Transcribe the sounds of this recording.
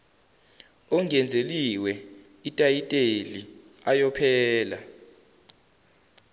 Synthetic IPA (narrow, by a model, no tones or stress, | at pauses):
ɔŋɛnd͡zʱeliwɛ | itʼajitʼeli | ajɔpʰɛːla